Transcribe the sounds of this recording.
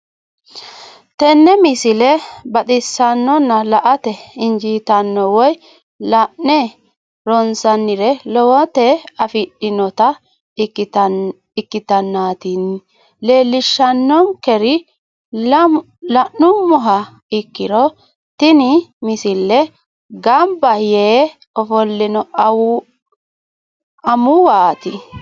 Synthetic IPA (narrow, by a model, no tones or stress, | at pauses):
t̪ɛnːɛmɪsɪlɛbɐt̪ʼɪsːɐnːɔnːɐlɐʔɐt̪ɛɪnd͡ʒiːt̪ɐnːɔwɔj | lɐʔɛ | ɾɔnsɐnːɪɾɛlɔwɔt̪ɛɐfɪɗɪnɔt̪ɐ | ɪkːɪt̪ɐnːaːt̪in | le̞ːlːɪʃːɐnːɔŋkɛɾɪ | lɐʔnʊmɔɦɐ | ɪkːɪɾɔ | t̪ɪnɪmɪsɪlːɛ | ɡɐmbɐjeː | ɔfɔlːɪnɔ | ɐmʊwaːt̪ɪ